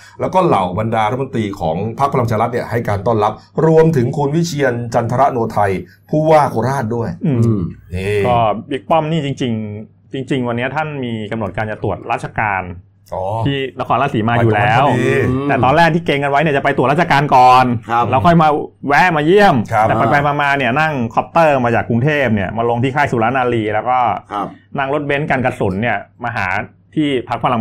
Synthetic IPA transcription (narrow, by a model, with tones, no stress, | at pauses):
lɛː˦˥wkɔː˥˩la˨˩wba˧ndaː˧ɾ̚ʰmo˧nt̪ɾiː˧kʰɔː˩˦ŋpʰa˦˥k̚pʰa˧la˧ŋt͡ɕʰaː˧ɾa˦t̪̚ni˥˩ɐha˥˩jkaː˧nt̪ɔː˥˩nla˦˥p̚ɾu˧əmt̪ʰɯ˩˦ŋkʰu˧nwi˦˥t͡ɕʰi˧ənt͡ɕa˧nt̪ʰa˧ɾa˦˥ʔnu˧ɐt̪ʰa˧j | pʰuː˥˩waː˥˩kʰoː˧ɾaː˥˩t̪̚du˥˩əjʔɯː˧˩ɯ˧˩˧kɔː˥˩bi˦˥k̚pɔ˥˩mniː˥˩t͡ɕi˧ŋt͡ɕi˧ŋ | t͡ɕi˧ŋt͡ɕi˧ŋwa˧nːi˦˥ɐt̪ʰa˥˩nmiː˧ka˧mno˨˩t̪̚kaː˧nt͡ɕa˨˩t̪u˨˩ət̪̚ɾaː˥˩t͡ɕʰa˧kaː˧n | ʔɔː˨˩iː˥˩na˦˥kʰɔː˧nlaː˧˥siː˩˦maː˧juː˨˩˨lɛː˦˥wt̪ɛː˨˩t̪ɔː˧nlɛː˥˩k̚t̪ʰiː˥˩keː˧ŋka˧nwa˦˥jni˥˩t͡ɕa˨˩pa˧jt̪u˨˩t̪̚ɾaː˥˩t͡ɕʰa˧kaː˧nkɔː˨˩nʰ˧lɛː˦˥wkʰɔ˥˩jmaː˧wɛ˦˥ʔmaː˧ji˥˩əmʰ˧aː˨˩paː˨˩pa˧jmaː˧maː˧ni˥˩ɐna˥˩ŋkʰɔ˦˥p̚t̪ɤː˥˩maː˧t͡ɕaː˨˩kːu˧ŋt̪ʰeː˥˩p̚ni˥˩ɐmaː˧lo˧ŋt̪ʰiː˥˩kʰaː˥˩jsuː˨˦ɾaː˦˥naː˧liː˧lɛː˦˥wkɔː˥˩na˥˩ŋlo˦˥t̪̚be˦˥nka˧nka˧so˩˦nːi˥˩ɐmaː˧ɦa̰ː˩˦ | t̪ʰiː˥˩pʰa˦˥k̚pʰa˧la˧